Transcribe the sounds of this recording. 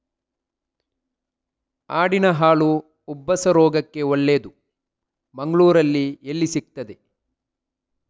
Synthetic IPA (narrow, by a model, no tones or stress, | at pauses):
aːɽinɐɦaːɭuː | bːɐsɐɾɔːɡɐkːe̞ɔɭːeːd̪u | mɐŋɡɐɭuːɾɐlːielːisik̚t̪ɐd̪e